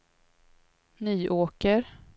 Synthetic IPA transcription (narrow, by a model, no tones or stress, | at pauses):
nyːʔoːkəɾ